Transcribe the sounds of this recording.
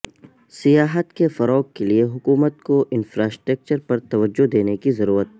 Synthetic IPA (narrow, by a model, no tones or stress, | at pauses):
sijaːɦət̪kefɐɾɔːɡkelieɦʊkuːmət̪̚koʔɪnfɾaːsʈɾək̚t͡ʃəɾpɐɾt̪ɐʋəd͡ʒːod̪eːnekizɐɾuːɾət̪̚